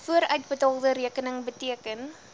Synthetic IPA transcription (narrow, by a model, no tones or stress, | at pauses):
fuəɾœɥt̚bətɑlˠdəɾiəkənəŋbətiəkən